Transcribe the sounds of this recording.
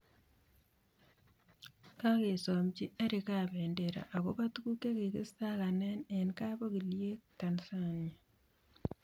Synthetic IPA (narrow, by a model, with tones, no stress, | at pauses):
ka˦ke˨sɔ˨mt͡ʃi˦a˦ɾi˨kaː˦˨βɛ˨nde˨ɾa̰˨ʔa˨ko˦ba˦tu˦ku˦ke˦ke˨kḭ˦sta˦ka˨nɛ˦ne˨nka˦bo˦ki˨lje˦ktansa˦na˨